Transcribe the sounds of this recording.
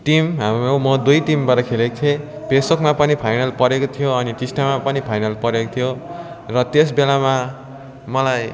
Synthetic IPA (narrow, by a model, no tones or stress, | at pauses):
ʈimɦamromʌd̪ujʈimbaʈʌkʰelekot̪ʰẽ | pesbokmapʌnipʰajnʌlpʌɾekot̪ʰijoʌnit͡ʃisʈamapʌnipʰajnʌlpʌɾekot̪ʰijo | rʌt̪es̬belama | mʌlaj